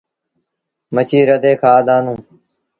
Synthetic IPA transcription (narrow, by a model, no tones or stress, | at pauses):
mət͡ʃʰiːɾəd̪eːkʰaːd̪aːnũː